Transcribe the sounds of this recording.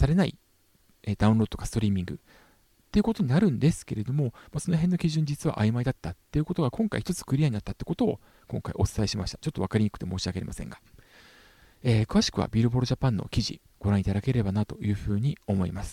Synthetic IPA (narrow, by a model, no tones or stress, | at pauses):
saɾe̞naḭ | eːd̪aɯ̟̃ɾo̞d̪ot̪o̞kasɨ̥t̪o̞ɾʲiːmʲĩŋɡɯ̟ | t̪ːe̞iɯ̟ko̞t̪oɲ̟inaɾɯ̟̃nd̪e̞sɨ̥ke̞ɾe̞d̪o̞mo̞maso̞noɦẽ̞nːo̞kʲiʑɨ̃ɲ̟d͡ʑit͡sɨβa̰ʔaimaid̪at̪ːat̪ːe̞jɯ̟kot̪o̞ɡakõ̞ŋka̰içi̥t̪o̞t͡sɨ̥kɯ̟ɾʲiaɲinat̪ːat̪ːeiɯkot̪o̞ː | kõ̞ŋkaiʔo̞t͡sɨ̥aiɕimaɕit̪ḁt͡ɕo̞t̪ːoakaɾʲiɲikɯ̟̥t̪e̞mo̞ːɕiaɡe̞ɾemasẽ̞ŋɡa | eːkɯ̟βaɕi̥kɯ̟βa̰bʲiɾɯ̟bo̞ɾoʑapãnːo̞̰kʲiʑḭ | ɡ̥o̞ɾãɰ̃it̪ad̪ake̞ɾe̞banat̪o̞̰jɯ̟ːɸɯ̟ːɲ̟io̞mo̞ḭmasɨ̥